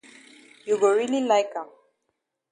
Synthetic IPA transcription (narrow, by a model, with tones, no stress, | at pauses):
ju˨ɡo˨ɹi˦li˦laɪka˨